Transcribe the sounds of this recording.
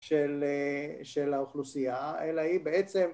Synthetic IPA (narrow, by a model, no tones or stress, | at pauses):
ʃeleʃelauχlusijaelaibeet͡se̞m